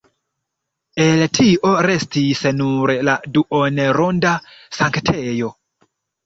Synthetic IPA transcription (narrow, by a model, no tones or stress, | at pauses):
e̞ltʰiʔo̞ɾe̞stisnuɾladuʔoneɾondasaŋktʰejo̞